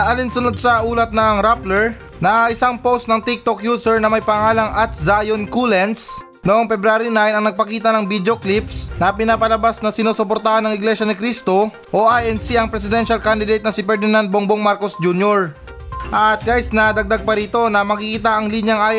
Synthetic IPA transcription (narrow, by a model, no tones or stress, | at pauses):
ʔɐlinsʊnod̪̚sɐʔuːlɐt̪̚nɐŋɾaplɛɹ | nɐʔɪsaŋpowst̪nɐŋt̪ik̚t̪okjuːsɛɹnɐmɐjpɐŋaːlɐŋɐt̪̚zajonkulɛns | noʔoŋpɛbɾaːɾinajnɐŋnɐɡ̚pɐkiːt̪ɐnɐŋbid̪eoklip̚snɐpɪnapɐlɐbasnɐsɪnoːsopoɾt̪ahanɐŋɪɡlɛʃɐnɪkɾist̪o̞ | ʔo̞ʔajʔɛnsiɐŋpɾɛsɪd̪ɛnʃɐlkand̪ɪd̪ejt̪̚nɐsɪpɛɾd̪ɪnand̪̚boŋboŋmaɾko̞sd͡ʒunjoɹ | ʔɐt̪̚ɡajsnɐd̪ɐɡ̚d̪aɡ̚pɐɾiːt̪o̞nɐmɐkikiːt̪aɐŋlinjɐŋaj